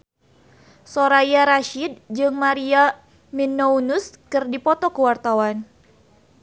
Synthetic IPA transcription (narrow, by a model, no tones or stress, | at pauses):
soɾajaɾaʃid̚d͡ʒɨŋmaɾia | minːounuskɨrdipɔt̪ɔkəwart̪awan